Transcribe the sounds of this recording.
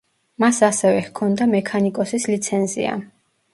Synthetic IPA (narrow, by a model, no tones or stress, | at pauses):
masasɛvɛhkʰɔnd̪amɛkʰanikʼɔsislit̪sʰɛnzḭa̰